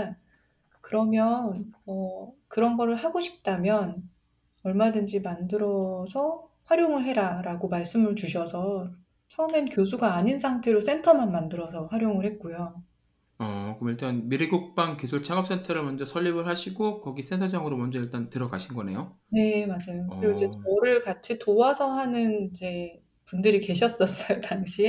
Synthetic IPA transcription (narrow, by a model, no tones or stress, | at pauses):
kɯɾʌmjʌnʌkɯɾʌnɡʌɾɯɭhaɡoɕʰi̥p̚t͈amjʌn | ʌɭmadɯnd͡ʑimandɯɾʌsʰʌɸwaɾjoŋɯɭɦe̞ɾaɾaɡomaɭs͈ɯmɯɭt͡ɕuɕʰʌsʰʌ | t͡ɕʰʌumenkjosʰuɡaːɲinsʰaŋtʰe̞ɾos͈ʰe̞ntʰʌmanmandɯɾʌsʰʌɸwaɾjoŋɯɭhe̞t̚k͈ujo | ʌkɯɯmiɭt͈anmiɾiɡuk̚p͈aŋkesʰuɭt͡ɕʰaŋʌp̚s͈e̞ntʰʌɾɯɭmʌnd͡ʑʌsʰʌʎːibɯɭɦaɕʰiɡokʌɡis͈ʰensʰad͡ʑaŋɯɾomʌnd͡ʑʌiɭt͈antɯɾʌɡaɕʰinɡʌne̞̰jo | ne̞mad͡ʑajokɯɾiɡoid͡ʑe̞t͡ɕʌɾɯɭkat͡ɕʰitowasʰʌɦanɯnid͡ʑe̞ | pundɯɾike̞ɕ̬ʰʌs͈ʌs͈ʌjotaŋɕʰie